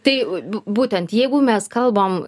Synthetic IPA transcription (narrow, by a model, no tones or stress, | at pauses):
t̪ɐɪbuːt̪ʲɛnt̪jɛɪɡʊmʲɛskɐlˠbɐm